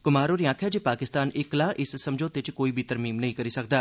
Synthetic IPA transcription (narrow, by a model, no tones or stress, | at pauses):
kʊmaːɾoːɾiãːkʰjaːd͡ʒipaːkɪst̪aːnɪklaːʔɪsːɐmd͡ʒõːt̪et͡ʃkoːiːbʱiːt̪əɾmiːmnəɦĩːkəɾiːsək̚d̪aː